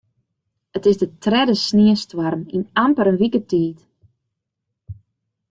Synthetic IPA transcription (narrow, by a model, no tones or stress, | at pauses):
ətɪsdətrɛdəsniəstwarminampəɾənʋikətiːt